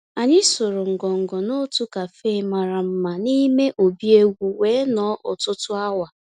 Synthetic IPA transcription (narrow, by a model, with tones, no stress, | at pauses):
a˨ɲɪ˦so˨ɾo˨ŋ̩˨ɡɔ˨ŋ̩˨ɡɔ˨no˦tu˦ka˨fe˦ma˨ɾa˨m̩˦ma˨ni˦me˦ʔo˨bi˦e˦ɡʷu˨weː˨˦nɔː˨˦ʔʊ˨tʊ˦tʊ˦a˦wa˨